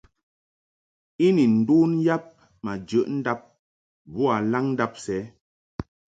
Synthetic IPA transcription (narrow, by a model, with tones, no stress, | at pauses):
i˦ni˨n̩˨duː˦n˦ja˦p̚ | ma˨d͡ʒə˨ʔn̩˦da˦p̚ | bu˦a˨la˦ŋn̩˦da˦p̚sɛ˨˦